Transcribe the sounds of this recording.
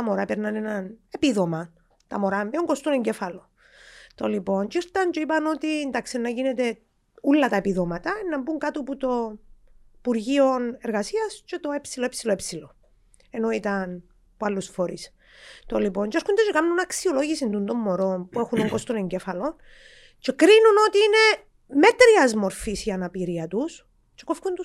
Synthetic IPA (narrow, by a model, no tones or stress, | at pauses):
ɐmo̞ɾɐpeɾnɐnenɐne̞piðomɐ | t̪ɐmoɾamːeoŋɡost̪uneɲɟe̞fɐlo | t̪olipo̞ɲt͡ʃiɾt̪ɐɲt͡ʃeipɐno̞t̪ind̪aksenːɐʝinet̪e̞ | ulːɐt̪ɐepiðomɐt̪ɐenːɐmbuŋkat̪oput̪o | ipuɾʝio̞ne̞ɾɣɐsiɐst͡ʃe̞t̪o̞epsiloepsiloepsilo | e̞noit̪ɐn | pualːusfoɾis | t̪olipo̞ɲt͡ʃeeɾxund̪et͡ʃekamnunɐksio̞loʝisind̪und̪o̞mːo̞ɾo̞npuexunoŋɡost̪one̞ɲɟe̞fɐlo̞n | t͡ʃekɾinuno̞t̪iːine̞ | me̞t̪ɾiɐzmo̞ɾfisiɐnɐpiɾiɐt̪us | t͡ʃekofkunt̪u